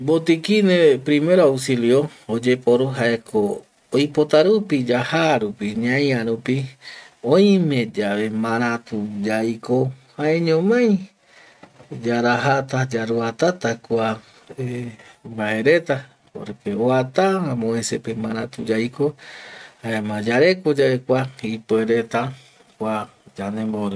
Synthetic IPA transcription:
bot̪ikinepɾime̞ɾoawsiljood͡ʒepoɾuɦaekʰoː | jpot̪aɾupid͡ʒahaɾupiɲãjãɾupiõj̃mẽd͡ʒaβe̞mãɾãt̪ud͡ʒajkohaeɲõmãj̃ | d͡ʒaɾaɦat̪ad͡ʒaɾuat̪at̪akʷa | embae̞ɾe̞t̪a | o̰ɾepeoat̪aãmõesepemãɾãt̪ud͡ʒajkohaemãd͡ʒaɾe̞kod͡ʒaekʷaipoeɾe̞t̪a | kʷa | d͡ʒanẽmboɾɨ

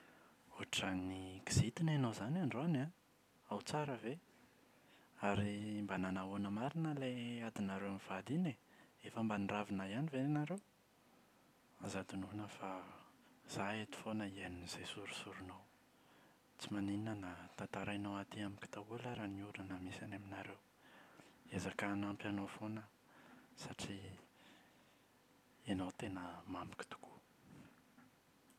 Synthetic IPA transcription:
oɦaʈ͡ʂəniɡiz̥it̪inanowzanaɳɖ͡ʐoana | awt͡saɾəve | aɾimbananaonəmaɾinəlead̪inaɾewamiv̥ad̪ineefəmbaniravinajanivenaɾew | azad̪ununəfa | z̥aet̪u̥fonəieniniz̥esuɾu̥suɾunow | t͡simanininənat̪ant̪aɾanowat̪iamiki̥t̪aulaɾaniuɾanamesanaminaɾew | ezakanampjanofonə | saʈ͡ʂi | enawt̪enəmami̥ki̥t̪u̥ku̥

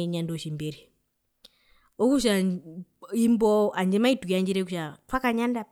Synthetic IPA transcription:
ɲandoʃimbeɾi | ɔkuʃa | imbɔaɲd͡ʒɛmaitukaɲd͡ʒiɾɛk̬uʃatwakaɲanda

